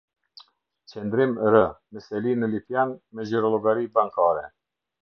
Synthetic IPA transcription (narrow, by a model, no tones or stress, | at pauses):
t͡ɕɛnd̪ɾimɾəmɛsɛlinəlipjanmɛziɾɔlˠɔɡaɾibaŋkaɾɛ